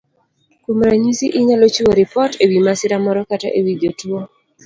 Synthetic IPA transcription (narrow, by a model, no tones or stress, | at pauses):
kumɾaɲisiʔɪɲalot͡ʃiwoɾipɔtewimasɪɾamɔɾɔkata̰ʔewiɡotwo